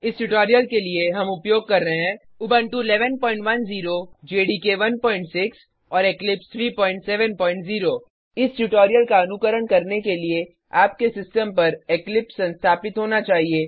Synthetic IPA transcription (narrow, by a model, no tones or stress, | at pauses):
ɪsʈʊʈɔːɾijəlkelieɦɐmʊpjoːɡ̚kɐɾːɐɦeɦɛ̃ː | ʊbə̃ɳʈuɪlɛːʋənpɔ̃ːɪ̃ɳʈʋɐnziːɾod͡ʒeːɖiːkeʋɐnpɔ̃ːɪ̃ɳʈsɪks | ɔːɾeklɪpst̪ʰɾiːpɔ̃ːɪ̃ɳʈsɛːʋənpɔ̃ːɪ̃ɳʈziːɾoː | ɪsʈuʈoːɾijəlkaɐnʊkəɾəɽkɐɾnekelie | aːp̚kesɪsʈəmpɐɾeklɪpssɐ̃nst̪ʰaːpɪt̪ɦoːnat͡ʃaːɦieː